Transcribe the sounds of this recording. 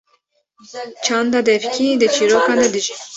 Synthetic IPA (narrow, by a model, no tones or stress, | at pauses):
t͡ʃʰɑːnd̪ɑd̪ɛfcʰʲid̪ɨt͡ʃʰiːɾoːkɑːnd̪ɛd̪ɨʒi